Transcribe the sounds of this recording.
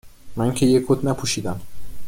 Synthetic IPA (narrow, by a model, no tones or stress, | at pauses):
mæŋcʰejekʰod̪næpʰuːʃiːd̪æm